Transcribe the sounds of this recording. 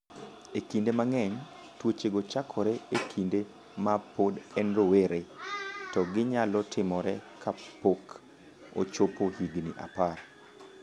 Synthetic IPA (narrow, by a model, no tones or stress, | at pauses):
ekindemaŋɛɲ | twot͡ʃeɡot͡ʃakʰɔɾɛekʰinde | mapodɛnɾoweɾetɔɡɪɲalɔtʰɪmɔɾɛkʰapok | o̰t͡ʃopohiɡnḭʔa̰par